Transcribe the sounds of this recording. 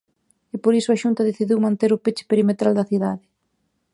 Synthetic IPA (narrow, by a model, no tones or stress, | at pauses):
ɪpoɾisʊaʃunt̪ɐðeθiðiwmãnt̪eɾʊpet͡ʃɪ̥peɾimet̪ɾald̪ɐθiðaðɪ